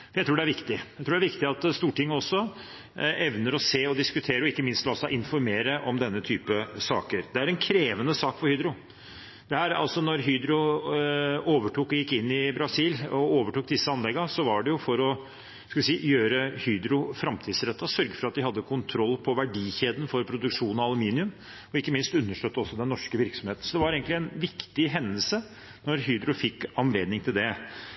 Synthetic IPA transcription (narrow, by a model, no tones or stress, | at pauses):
næɪt̪ɾuːɖɛæɾʋɪkt̪ɪjæt̪ɾuːɖæɾʋɪkt̪ɪɑt̪st̪uːʈʰɪŋːəɔsːɔ | ʔɛʋnəɾɔseːɔd̪ɪskʉt̪ʰeːɾəɔɪkːəmɪnst̪lɑsɑʔɪnfɔɾmeːɾəʔɔmd̪ɛnːət̪ʰyːpəsɑ̰ːkəɾd̪ɛæɾɛnkʰɾeːʋənəsɑːkfɔɾhyːd̪ɾʊ | d̪̥ɛhæːɾɑ̰lsɔnɔɾɦyːd̪ɾʊ | oːʋəʈʰuːkɔjɪkːɪnːɪbɾɑsiːlɔoːʋəʈuːk̚d̪ɪsːəɑnlɛɡːəsɔʋɑɖɛjʊfɔɾɔ | skɑʋɪsiːjøːɾəhyːd̪ɾʊfɾɑmt̪ʰiːd̪sɾɛt̪ːɑsœɾɡəfɾɑt̪d̪ɪhɑd̪ːəkʰʊnt̪ʰɾɔlːpʰɔʋæɖiːçeːd̪ən̩fɔɾpʰɾʊd̪ʉkʂuːnɑɑlˠʊmiːnɪʉm | ɔɪkːəmɪnst̪ʉnːəʂʈøt̪ːəɔsːɔd̪ɛnːɔʂkəʋɪɾksɔmheːt̪n̩sɔd̪ɛʋɑɾeːɡənlɪɛnʋɪkt̪ɪɦɛnːəlsə | nɔɾɦyːd̪ɾʊfɪkːɑnleːd̪nɪŋt̪ʰɪld̪ɛ